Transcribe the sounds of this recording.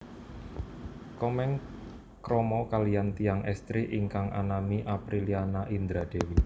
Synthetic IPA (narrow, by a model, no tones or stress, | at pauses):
kɔmɛŋ | kɾɔmɔkalijant̪ijaŋʔɛst̪ɾiʔiŋkaŋʔa̰namiʔapɾilianaʔind̪ɾad̪̥e̤wi